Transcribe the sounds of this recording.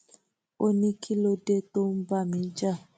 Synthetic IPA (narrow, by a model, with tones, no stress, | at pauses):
o˦ni˦kʰi˦lo˦de˦to˦m̩˦ba˦mĩ˨˦d͡ʒa˦˨